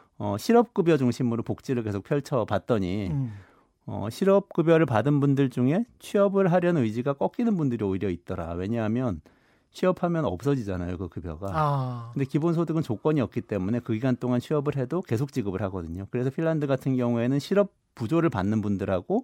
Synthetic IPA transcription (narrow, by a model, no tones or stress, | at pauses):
ʌɕʰiɾʌp̚k͈ɯbjʌd͡ʑuŋɕʰimɯɾopok̚t͡ɕ͈iɾɯɭk̬e̞sʰok̚pʰjʌɭt͡ɕʰʌpat̚t͈ʌɲi | ʌ̰ɕʰiɾʌp̚k͈ɯbjʌɾɯɭpadɯnbundɯɭt͡ɕuŋe̞t͡ɕʰɥiʌbɯɭɦaɾjʌnɯjd͡ʑiɡak͈ʌk͈inɯnbundɯɾioiɾjʌit̚t͈ʌɾa̰we̞ɲʌɦamjʌn | t͡ɕʰɥiʌpʰhamjʌnʌ̰p̚s͈ʌd͡ʑid͡ʑanajokɯkɯbjʌ̰ɡakɯnde̞kibonsʰodɯɡɯnt͡ɕok͈ʌɲiʌk̚k͈it͈e̞mune̞kɯɡiɡant͈oŋant͡ɕʰɥiʌbɯɭɦe̞doke̞sʰok̚t͡ɕ͈iɡɯbɯɭhaɡʌdɯɲokɯɾe̞sʰʌpʰiɭːandɯɡatʰɯnɡjʌŋue̞nɯnɕʰiɾʌp̚ | p͈ːud͡ʑoɾɯɭpanːɯnbundɯɾhaɡo